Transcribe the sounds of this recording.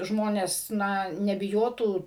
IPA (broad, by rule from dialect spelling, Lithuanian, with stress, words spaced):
ˈʒmoːnʲɛs ˈnɐ nʲɛbʲɪˈjoːtuː